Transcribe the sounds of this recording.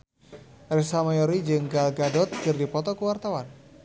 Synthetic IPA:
rɛsamajɔɾid͡ʒɨŋɡalɡadɔt̪̚kɨrdipɔt̪ɔkuwart̪awan

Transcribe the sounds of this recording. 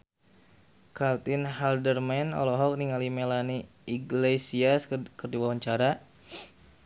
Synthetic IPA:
kalt̪inɦaldərmɛnɔ̰lɔɦɔk̚niŋalimelani | iɡlesiaskərdiwawaɲt͡ʃaɾa

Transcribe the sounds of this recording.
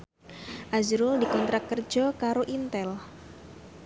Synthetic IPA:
ʔazɾʊldikɔnt̪ɾakːərd͡ʒɔkaɾoʔint̪ɛl

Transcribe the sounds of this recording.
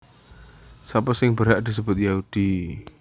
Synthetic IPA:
sapəsɪŋbəɾɦaʔdis̬əbʊt̪̚jaɦud̥i

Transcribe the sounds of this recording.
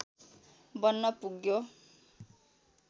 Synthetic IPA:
bʌnːʌpuɡjo

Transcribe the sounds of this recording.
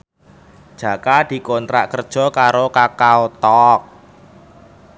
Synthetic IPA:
d̥ʒ̥ä̤kad̪̥i̤kont̪ɾa̰ʔkərd̥ʒ̥ɔ̤kaɾokakaot̪ɔk̚

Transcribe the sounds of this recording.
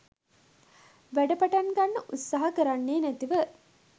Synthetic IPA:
ʋæɖɐpɐʈaŋɡɐnːəʔut̪sːaɦɐkəɾanːeːnæt̪iʋə

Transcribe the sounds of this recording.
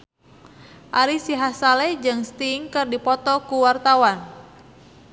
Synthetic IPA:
ʔaɾisiɦasalɛd͡ʒɨŋst̪iŋkɨrdipɔt̪ɔkuwart̪awan

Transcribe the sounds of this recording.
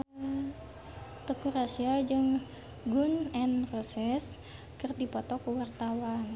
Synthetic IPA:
t̪ɔkurasiad͡ʒɨŋ | ɡunɛnrosɛs | kɨrdipɔt̪ɔkuwart̪awan

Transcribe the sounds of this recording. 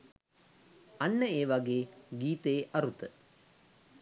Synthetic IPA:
ɐnːəeːʋaɡeːɡiːt̪eːʔɐɾut̪ə

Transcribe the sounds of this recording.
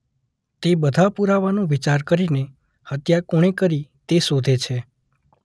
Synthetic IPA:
t̪ebəd̪ʱapuɾaʋanũʋit͡ʃaɾkəɾine | hət̪jakoɽ̃ekəɾit̪esod̪ʱet͡ʃʰe

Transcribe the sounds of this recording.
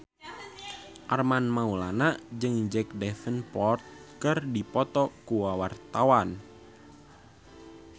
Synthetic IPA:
ʔarmanmaulanad͡ʒɨŋd͡ʒɛk̚dɛfənpɔrt̪̚kɨrdipɔt̪ɔkuwawart̪awan

